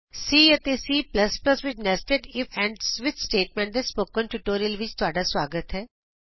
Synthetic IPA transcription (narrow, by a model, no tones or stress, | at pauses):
siːət̪eːsiːpləspləsʋɪt͡ʃnɛsʈeɖɪpɛ̃ːɳɖsʋɪt̪sʈeːʈ̚mɛ̃ːɳʈd̪eːspoːkənʈuːʈoːɾiəlʋɪt͡ʃt̪ʊaːɖaːsʋaːɡət̪ɦɛː